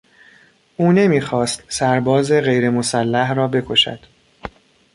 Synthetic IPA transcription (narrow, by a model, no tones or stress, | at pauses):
ʔuːne̞miːxɒːst̪sæɾbɒːze̞ɣe̞jɾe̞mo̞sælːæhrɒːbe̞kʰo̞ʃæ̰d̪̥